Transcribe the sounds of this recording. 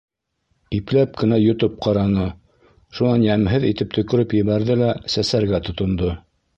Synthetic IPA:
iplæp̚kɘ̆næjŏt̪op̚qɑɾɑnɤ | ʃunɑnjæmɦɘðit̪ɘp̚t̪ʰɵ̆kɘ̆ɾɘpjɘ̆βæɾðɘlæsæsæɾɡæt̪ŏt̪ŏnd̪o

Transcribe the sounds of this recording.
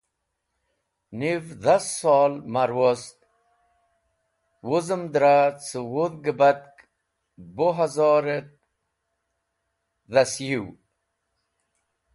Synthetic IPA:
nivðasːɑːlmaɾwost̪ | wuzəmd̪ɾat͡səwuðɡəbat̪̚k | boɦazɑɾet̪̚ | ðasjiw

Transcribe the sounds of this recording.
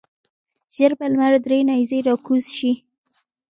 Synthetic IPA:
ʒ̥əɾbalmaɾd̪ɾenɑjzeɾɑkuzʃi

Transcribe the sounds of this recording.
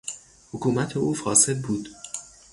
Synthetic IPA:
hokʰuːmæt̪ʰeuːfɒːse̞d̪̚buːd̪̥

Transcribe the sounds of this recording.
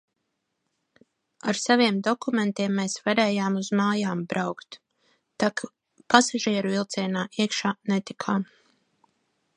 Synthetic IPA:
aɾsaviɛmd̪ɔkument̪iɛmːeːsvaɾeːjaːmuzmaːjaːmbɾawkt̪ | t̪ak | pasaʒiɛɾuvilˠt̪sɛːnaːʔiɛkʃaːnet̪ikʰaːm

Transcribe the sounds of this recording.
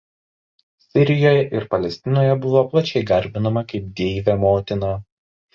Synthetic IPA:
sʲɪɾʲɪjoːjɛʔɪɾpɐlʲɛsʲt̪ʲɪnoːjɛbʊʋoːplˠɐt͡ʃʲɛɪɡɐɾʲbʲɪnɐmɐkɐɪp̚d̪ʲeːʋʲɛmoːt̪ʲɪnɑ

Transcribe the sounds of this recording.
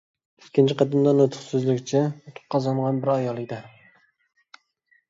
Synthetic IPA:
y̥skʲʰint͡ʃʰiqɑd̪ɨmd̪ɑnot̪ʰʊ̥χsyzlykʲt͡ʃʰɛot̪ʰʊ̥qqʰːɑzɑɴʁɑnbɪɾɑjɑlˠɨkʲd̪ɛ

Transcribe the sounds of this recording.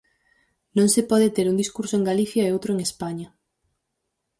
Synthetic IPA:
nõŋsepɔðet̪eɾund̪iskuɾsoẽŋɡaliθjaɐeowt̪ɾoeŋespaɲɐ

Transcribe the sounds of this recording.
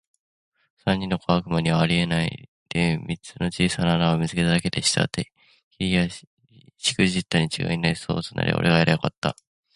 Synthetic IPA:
sãɲ̟ʲːĩnːo̞koβakɯ̟maɲ̟iβaːɾʲie̞naḭ | d̪̥emʲit͡sɨno̞t͡ɕiːsanaːnaomʲizɨke̞t̪ad̪ake̞d̪e̞ɕi̥t̪a̰t̪ːe | kʲiia | ɕi̥kɯ̟ʑit̪ːaɲ̟it͡ɕiɡa̰inaiso̰ːt͡sɨnʔa̰ɾʲʔḭʔo̞̰ɾʔe̞ɡaeɾajokat̪ːa̰

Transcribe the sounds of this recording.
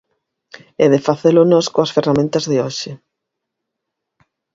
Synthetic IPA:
ɛðɪfaθelʊnɔskoɐsferamẽnt̪ɐzðɪoʃɪ

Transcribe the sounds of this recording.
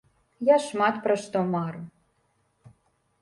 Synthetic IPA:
jɑʃmɑt̪pɾəʃt̪omɑru

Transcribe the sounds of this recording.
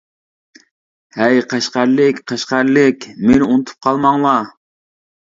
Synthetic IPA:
hæjqʰæʃqæɾlɪkʲqʰæʃqæɾlɪkʲmenɪunɨt̪ʰu̥p̚qʰɑlˠmɑŋlˠɑ

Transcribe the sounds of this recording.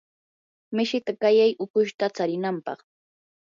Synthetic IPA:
mɪʃɪt̪akajajʔʊkʊʃt̪at͡saɾɪnampɑ̰χ

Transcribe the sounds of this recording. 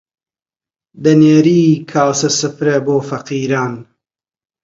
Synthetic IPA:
d̪ɐneːɾiːkʰaːwsɐsɨpɾeboːfɐqiːɾaːn

